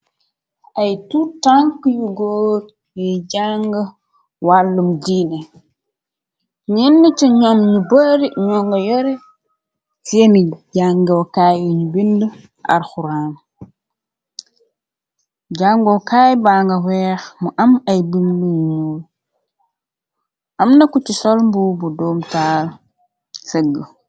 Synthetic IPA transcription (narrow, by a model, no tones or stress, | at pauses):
ʔajtutaŋkjuɡoːt | jɛd͡ʒaŋɡa | walːumdiːna | ɲinːət͡ʃɔɲɔmɲubəɾiɲɔŋɡajɔɾɛ | femid͡ʒaŋɡwkajiɲubindu | ʔa̰ɾxuɾaːm | ɟaŋɡɔkaːjbaːŋɡɐwɛːxmuʔɐmɐjbindunul | ʔɐmnɐkut͡ʃisɔlmbubudɔːmtaːl | seɡə